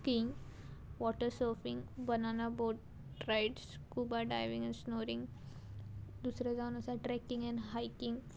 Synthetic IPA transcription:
kiŋɡ | ʋɔʈəɾsəːɾfĩŋɡbənaːnaboːʈ | ɾaɪʈskuːbaɖa̰ɪʋĩŋɛ̃nsnoːɾĩŋɡ | d̪usɾad͡ʒawnəsaʈɾɛkĩŋɡɛ̃ɳɖɦaɪkĩŋɡ

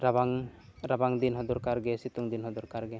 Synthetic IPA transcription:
ɾabaŋɾabaŋd̪inɦɔd̪uɾkaɾɡɛsit̪uŋd̪inɦɔd̪uɾkaɾɡɛ

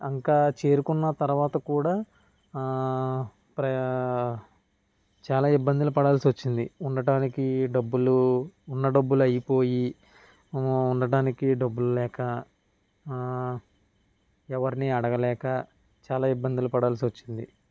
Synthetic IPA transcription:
ɐŋkaːt͡ʃeːɾukunːɐt̪ɐɾuʋaːt̪ɐkuːɽaː | pɾɐ | t͡ʃaːlaːibːɐnd̪ulupɐɽaːlsiʋɐt͡ʃːind̪iuɳɖɐɖaːnikiɖɐbːuluːnːɐɖɐbːuluɐjipo̞ːji | uɳɖɐɖaːnikiɖɐbːululɛːkɐ | ɛʋɐɾiniɐɽɐɡɐlɛːkɐ | t͡ʃaːlaːibːɐnd̪ulupɐɽaːls̬iʋɐt͡ʃːind̪ḭ

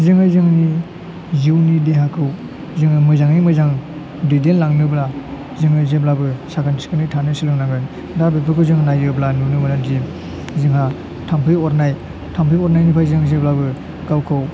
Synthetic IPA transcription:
zɯŋajzɯŋni | ziwnideɦakʰɯw | zɯŋɯmɯzaŋnimɯjzaŋ | didellaŋnɯbla | ziŋajzeblabɯsakʰanskɯnɯtʰanɯsilɯŋnaŋɡɯn | dabepʰɯkʰɯwzɯŋnajjɯblanunɯmanadim | zɯŋɦa | tʰampʰɯjɔɾnaj | tʰampʰɯjɔɾnajnipʰajzɯŋzeblabɯ | ɡawkʰɯw

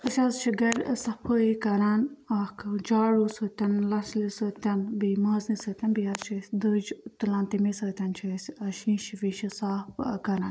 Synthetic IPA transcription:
əsʲɐzt͡ʃʰiɡɐɾsɐpʰəːikɐɾaːnaːkʰɨd͡ʒaːɻuːsət̪ʲɐnlɐslisəːt̪ʲɐnbimaːznisəːt̪ʲɐnbijazt͡ʃʰisʲd̪əd͡ʒt̪ɨlaːnt̪imisəːt̪ʲɐnt͡ʃʰɐsʲɐʃĩːʃiʋiʃisaːpkɐnaːn

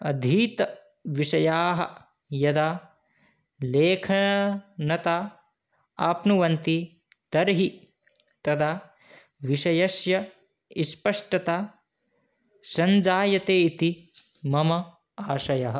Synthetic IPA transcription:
ɐd̪ʱiːt̪ɐ | ʋiʃɐjaːɦɐ̰ | jɐd̪aː | leːkʰɐɐnɐt̪aː | aːpnuʋɐnt̪i | t̪ɐɾɦi | t̪ɐd̪aː | ʋiʃɐjɐʃjɐ | ispɐʂʈɐt̪aː | sɐnd͡ʒaːjɐt̪eːit̪i | mɐmɐ | aːʃɐjɐɦɐ̆

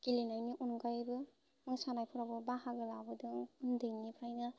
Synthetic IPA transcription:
kilinajniʔunɡajbɯ | mɯŋsanajpʰuɾabɯbaɦaɡɯlabɯdɯŋundɯjnipʰɾajnɯ

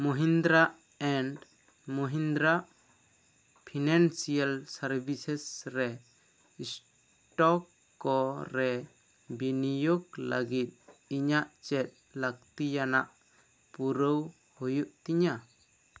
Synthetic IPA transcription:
mɔɦind̪ɾaʔ | ɛɳɖ | mɔɦind̪ɾaʔ | pʰinansijalsaɾbisɛsɾɛ | is | ʈɔkː | ɔɾɛ | binijoɡla̰ɡit̪̚iɲaʔt͡ʃɛt̪̚lak̚t̪ijana̰ʔ | puɾəw | hujuʔt̪iɲa

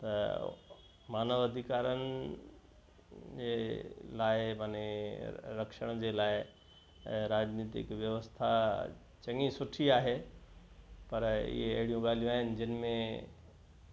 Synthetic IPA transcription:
t̪ɐ | maːnəʋɐd̪ʱikaːɾənɪ | d͡ʑelaːɪmɐne | ɾɐkʃəɽ̃d͡ʑelaːɪ | ɾaːd͡ʑniːt̪ɪ̰kʋjɐʋəst̪ʰa | t͡ɕɐŋĩsʊʈʰiaːɦe | pɐɾɪ̰ɦeɐ̰ɦɪɽijũɠaːl̤ijũaːɦɪnɪ̆d͡ʑɪnmẽ

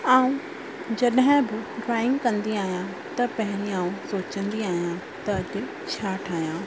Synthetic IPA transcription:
aːũ | d͡ʑɐɗɦɪ̃bɪɖɾaːɪ̃ŋɡkɐ̃nd̪iaːɦjã | t̪ɐpɐɦɪ̃ɾĩaːũsoːt͡ɕə̃nd̪iaːɦijã | t̪ɐɐʄʊ | t͡ɕʰaːʈʰaːɦijãː

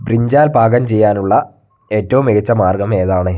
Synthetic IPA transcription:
briɲd͡ʑaːlbʱaːɡɐmt͡ɕe̞jːaːnuɭːɐ | e̞ːtːɐʋumiɣɐt͡ɕːɐmaːrɡɐme̞ːðaːɳɨ

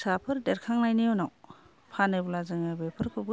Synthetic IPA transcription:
sapʰɯɾdeɾkʰaŋnajnijonaw | pʰanɯjbɔlazɯŋabepʰɯɾkʰubu

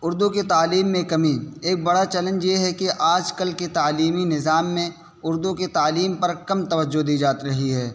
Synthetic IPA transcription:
ʊɾd̪uket̪aːliːmːẽkɐmieːk̚bɐɽat͡ʃɛlə̃nd͡ʒjeɦɛkiʔaːd͡ʒkɐlket̪aːliːminɪzaːmːẽ | ʊɾd̪uket̪aːliːmpɐɾkɐmt̪ɐʋəd͡ʒːod̪iːd͡ʒaːt̪ɾɐɦiɦɛː

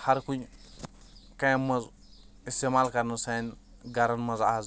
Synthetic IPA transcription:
haɾkuɲ | kajmɐz | istemalkaɾnusan | ɡaɾɐnmɐzaz

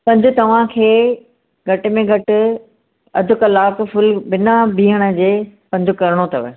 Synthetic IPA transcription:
pɐ̃ɲd͡ʑʱʊ̆t̪ɐʋ̤ãkʰeː | ɡʱɐʈɪ̆mẽɡʱɐʈɪ̆ | ɐ̰d̪ʱʊ̆kɐlaːkfʊlbɪnabʱiːɦəɽ̃ə̆d͡ʑeːpɐ̃ɲd͡ʑʱʊkɐɾɪɽ̃ot̪ɐʋə̰

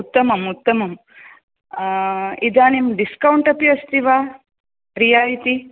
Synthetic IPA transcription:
ut̪ːɐmɐmut̪ːɐmɐm | id̪aːnimɖiskɐwɳʈɐpiɐst̪iʋaː | ɾijaːlit̪i

